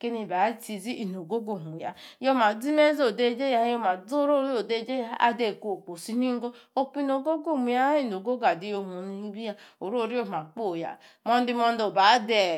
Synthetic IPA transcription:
ke˦ni˦˨ba˨˦ti˨zi˦ʔi˨n˨o˨ɡo˦ɡo˦˨mu˨ja̰˨jo˦ma˨d͡zi˦me˦zo˨de˦d͡ʒe˦ja˦jo˦ma˨d͡zo˦ɾo˦ɾi˦o˨de˦d͡ʒe˦ja˦a̰˦de˦˨ko˨k͡po˨si˦ni˦ŋ̩˦ɡo˦ | o˦k͡pi˦no˨ɡo˦ɡo˦˨mi˨ja˦i˦n˨o˨ɡo˦ɡa˨di˦jo˨mo˨ni˦bi˦ja˦o˨ɾo˦˨ɾi˦o˦m˨a˨k͡po˦˨ja̰˨mɔ˦n˦di˦mɔ˦n˦do˨ba˨˦de˨

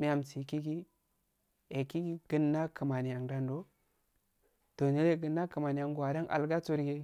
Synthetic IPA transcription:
mi˦ja˨msi˨ki˦ɡi˦ | e˨ki˦ɡi˦ɡ̥ə˦nːa˦kə˨ma˨ni˨ja˨ŋda˦ndo˦ | to˨ne˦je˦ɡə˨nːa˦kə˨ma˨ni˨ja˨ŋɡwa˨da˦ŋʔa̰˨lɡa˦t͡su˦ɾɡi˦

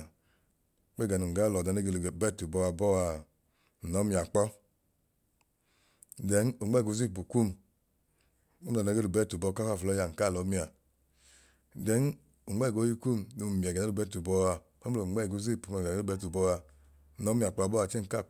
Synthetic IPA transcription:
k͡pɛ˦ɡa˨nu˨ŋ˨ɡa˨˦lɔ˨da˨˧nɛ˧˦ɡe˧lu˨bɛ˦˨tu˨bɔ˧wa˧bɔ˦wa˧˨ | nɔ˨˦mi˧˨a˨k͡pɔ˦˨ | dɛ˨˦nu˨ŋ͡mɛ˦˨ɡu˧˦zi˦˨p̬u˨ku˦˨m | u˦˨a˨na˧˦ɡe˧lu˨bɛ˦˨tu˨bɔ˧ka˦ka˦˨flɔ˧˦ja˧˨ŋ̩˨ka˦˨lɔ˨˦mi˦a˨ | dɛ˨˦n | u˨ŋ͡mɛ˦˨ɡo˨˦ji˧ku˦˨mnu˧˨mi˨a˨ɡa˨˦u˦˨bɛ˦˨tu˨bɔ˧wa˧ | pa˦o˨ŋ͡mɛ˦˨ɡu˧˦zi˦˨pu˨ma˨˦bɛ˧˦˨tu˨bɔ˧wa˧˨ | ɔ˨˦mi˧˨a˨k͡pɔ˧a˧bɔ˦a˧˨t͡ʃɛ˦ŋ̩˨ka˦˨

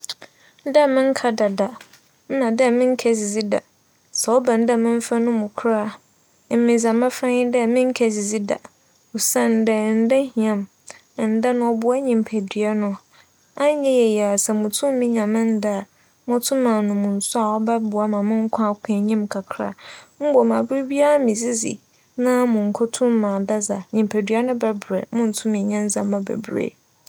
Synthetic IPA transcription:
dɛ˦˨mɪ̃˦ŋ̩˦kʰa˦da˨da˨ | n̩˦nã˨dɛ˦˨mɪ̃˦ŋ˦kʰɛ˦zi˨d͡zi˦da̰˨ | sɛ˨ɔ˦bã˨n̩˦da˦˨mɪ̃˦ɱ˦fa˦nʊ̃˦mʊ̃˨kʰɾa˦ | m̩˦mɪ̃˨za˨mã˦fɾã˦ɲɪ̃˦dɛ˦˨mɪ̃˦ŋ̩˦kʰɛ˦zi˨d͡zi˦da̰˨ | u˨sã˦n˨˦dɛ˦˨n̩˦da˦hĩ˨ã˦m˨ | n̩˨˦da˦nʊ̃˨˦ɔ˦bʊ˦a˦ɲĩ˨m˨pʰæ˨dɥa˦nʊ̃˨ | a˦ɲɛ̃˦jɛ˨jɛ˨a˨sɛ˨mʊ̃˨tʰʊ̃˦m˦mĩ˦ɲã˨mɪ̃˦n˦da˦˨ | mʊ̃˦tʰʊ̃˦mã˨nʊ̃˨mʊ̃˨n̩˨sʊ˦a˨ɔ˦bɛ˦bʊ˨a˦mã˨mʊ̃˦ŋ̩˦kʷʰã˦a˦kʷʰɪ̃˨ɲĩ˦mkʰa˨kʰɾa̰˦m̩˦bɔ˨mã˨bʊ˦ɾi˦bi˦a˦mĩ˨zi˦zḭ˨ | nã˦mʊ̃˨ŋ̩˨kʰɔ˦tʰʊ̃˦mː˦ã˨da˦za˨ɲĩ˨m˨pʰæ˨dɥa˦nʊ̃˦bɛ˦bɾɛ̰˨mʊ̃˦n̩˨tʰʊ̃˦mɪ̃˨ɲã˦n˦zã˨mː˦ã˨bɛ̰˨bɾḛ˦˨

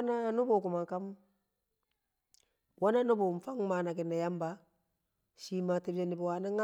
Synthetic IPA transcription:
na˦˨nʊ˦bo˨ku˨ma˨ŋka˦m˦ | wa˦na˦no˦bo˨m̩˨fa˦ŋma˨na˨kɪ˨nːa˨ja˦mba˨ | ʃiː˦ma˨te˦bd͡ʒa˦nɪ˨bu˨wa˨na˦ŋa˦

